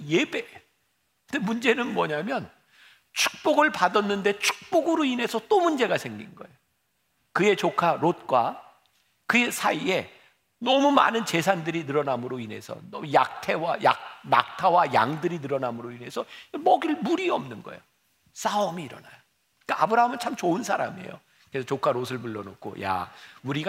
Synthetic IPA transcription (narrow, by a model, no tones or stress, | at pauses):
je̞be̞ | ɯnde̞mund͡ʑe̞nɯnmwʌɲamjʌn | t͡ɕʰu̥k̚p͈oɡɯɭpadʌnːɯnde̞t͡ɕʰu̥k̚p͈oɡɯɾoine̞sʰʌt͈omund͡ʑe̞ɡasʰe̞ŋɡinɡʌe̞jo | kɯe̞t͡ɕokʰaɾot̚k͈wa | kɯesʰaie̞ | nʌmuma̰nɯnt͡ɕe̞sʰandɯɾinɯɾʌnamɯɾoine̞̰sʰʌ̰nʌmuja̰k̚tʰe̞waja̰k̚na̰k̚tʰawaja̰ŋdɯɾinɯɾʌnamɯɾoine̞sʰʌmʌɡiɭmuɾiʌmnɯnɡʌ̰ḛjo | s͈aʌmiːɾʌ̰najo | k͈aabɯɾaɦamɯnt͡ɕʰamt͡ɕoɯnsʰaɾa̰miḛjo̰ | keɾesʰʌt͡ɕokʰaɾos̬ʰɯɭpuɭːʌnokʰo̰ja̰uɾiɡ